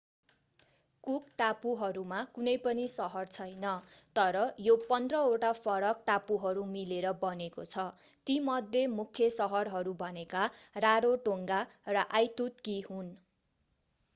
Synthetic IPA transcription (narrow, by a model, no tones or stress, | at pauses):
kuk̚ʈapuɦʌɾumakunʌjpʌnisʌɦʌrt͡sʰʌjnʌt̪ʌɾʌjopʌnd̪rʌoʈapʰʌɾʌk̚ʈapuɦʌɾumileɾʌbʌnekot͡sʰʌ | t̪imʌd̪ʱjemukʰjʌsʌɦʌrɦʌɾubʱʌnekaraɾoʈoŋɡarʌʔajt̪ut̪̚kiɦun